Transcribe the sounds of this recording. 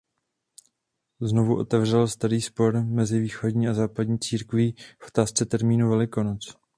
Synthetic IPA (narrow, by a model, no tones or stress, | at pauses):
zno̞vuʔo̞̰t̪ɛvr̝ɛlst̪aɾiːspo̞ɾmɛzɪviːxo̞dɲiːazaːpadɲiːt͡siːɾkvifʔo̥t̪aːst͡sɛt̪ɛɾmiːnuvɛlɪko̞not͡s